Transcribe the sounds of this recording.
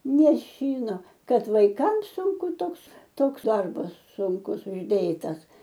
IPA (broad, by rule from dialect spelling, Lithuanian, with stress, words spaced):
nʲɛˈʃʲiːnoː ˈkɐt ʋɐɪˈkɐms ˈsʊŋkʊ ˈtoːks ˈtoːks ˈdɐrbɐs sʊŋˈkʊs ʊʒʲˈdʲeːtɐs